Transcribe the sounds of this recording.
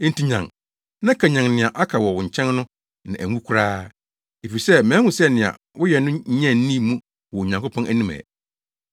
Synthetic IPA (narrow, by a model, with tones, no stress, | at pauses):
n̩˦ti˦˨ɲã̰˨ŋ | nã˦kʰæ˨ɲã˨ŋnɪ̃˨a˨ʔa˦kʰa˨wɔ˨wʊ̃˨ɲ̩˨t͡ɕʰɛ̃˦nnʊ̃˦ | nɪ̰̃˨ʔæ˨ŋũ˦kʰu˦ɾaː˦ | e˨fi˨sɛ˦mæ̃ː˨˦hʊ̃˨sɛ˦nɪ̃˨a̰˨ | wʊ˦jɛ˨nʊ̃˦ɲɛ̃˦˨n̩˦nĩ˦mũ˦ | wɔ˨ɲã˨ŋko˦pʰɔ̃˦nʔæ˨nĩ˦mæ̰̃˨